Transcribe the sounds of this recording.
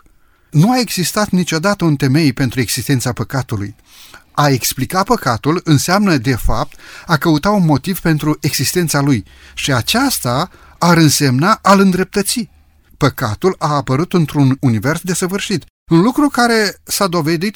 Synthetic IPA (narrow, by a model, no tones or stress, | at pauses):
nuae̞ɡz̥ist̪at̪nit͡ʃʲo̞d̪at̪əunt̪e̞me̞jpe̞nt̪ɾue̞ɡz̥ist̪e̞nt̪sapəkat̪ulṵj | ae̞ksplikat̪̚pəkat̪ulɨnseamnəd̪e̞fap̚t̪akəut̪at̪unmo̞t̪iv̥pe̞nt̪ɾuʔe̞ɡz̥ist̪e̞nt̪saluj | ʃiat͡ʃast̪aː | ɾɨnse̞mnaʔalɨnd̪ɾe̞p̚t̪ət̪si | pəkat̪ulaːpəɾut̪ɨnt̪ɾununive̞rsd̪e̞səvɨrʃit̪ | unlukɾukaɾe̞sad̪o̞ve̞d̪it̪